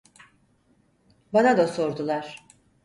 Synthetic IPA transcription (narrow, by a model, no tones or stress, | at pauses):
banad̪aso̞ɾd̪ulˠaɾ̥